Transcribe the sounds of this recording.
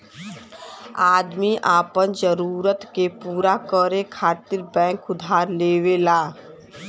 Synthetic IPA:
aːd̪miʔaːpənd͡ʒəɾuːɾət̪kepuːɾakəɾekʰaːt̪ɪɾbɛ̃ːŋkʊd̪ʱaːɾleːwelaː

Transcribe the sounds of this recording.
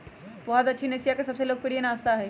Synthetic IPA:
bɔːɦɔt̪ɐtːʃʰineːsijakesɐbseloːɡ̚peɽijenaːst̪aɦɛː

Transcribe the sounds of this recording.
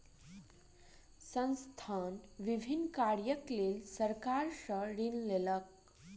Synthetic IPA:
sə̃nst̪ʰanʋibʱinːkaɾjəklelsəɾkaɾsəɾinlelək̚

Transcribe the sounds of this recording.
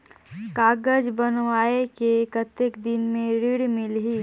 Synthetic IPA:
kaːɡəd͡ʒbənʋaːekekət̪ːekd̪ɪnmẽɾɪɽmɪlɦiː

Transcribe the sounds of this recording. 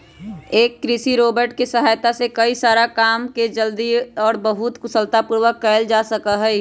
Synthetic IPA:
eːkːɾɪsiɾoːbəɾʈkesəɦaːjt̪asekɐisaːɾakaːmked͡ʒəld̪iɔːɾbəɦʊt̪kʊsəlt̪apuːɾʋəkːɛːɪld͡ʒaːsəkəɦɛ

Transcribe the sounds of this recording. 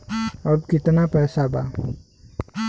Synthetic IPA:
əb̚kɪt̪napɛːsaba̰

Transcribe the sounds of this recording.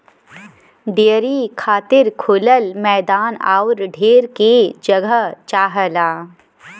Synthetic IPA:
ɖeːɾikʰaːt̪ɪɾkʰʊləlmɛːd̪aːna̰ːʊɾɖʱeːɾked͡ʒɐɡəɦt͡ʃaːɦəlaː

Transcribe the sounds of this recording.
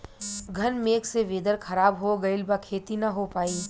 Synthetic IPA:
ɡʱɐnmeːkseʋeːd̪əɾkʰɐɾaːbɦoɡɐɪlbakʰeːt̪inɐɦopaːiː

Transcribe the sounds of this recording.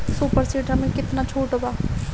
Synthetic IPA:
suːpəɾsiːʈəmẽkɪt̪nat͡ʃʰuːʈobaː

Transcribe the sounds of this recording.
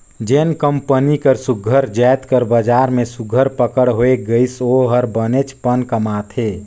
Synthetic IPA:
d͡ʒeːnkəmpənikəɾsuɡʱəɾd͡ʒɛt̪kəɾbəd͡ʒaːɾmẽsuɡʱəɾpəkəɽɦoeɡəisoɦəɾbənet͡ʃpənkəmat̪ʰɦe

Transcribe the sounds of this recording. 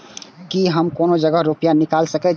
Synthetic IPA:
kiɦəmkoːnod͡ʒəɡəɦɾupijanikaːlsəkɛ

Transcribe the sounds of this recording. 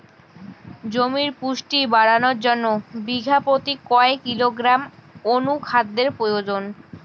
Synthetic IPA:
d͡ʑomiɾpuʃʈibaɽanoɾd͡ʑonːobiɡʱapot̪ikɔekːiloɡɾamonukʰat̪̚ːeɾpɾojod͡ʑon

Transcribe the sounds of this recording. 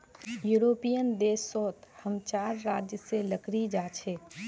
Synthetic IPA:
juɾoːpijənd̪eːsːoːt̪həmt͡ʃaːɾːaːd͡ʒjəseləkɾid͡ʒaːt͡ʃʰɛː

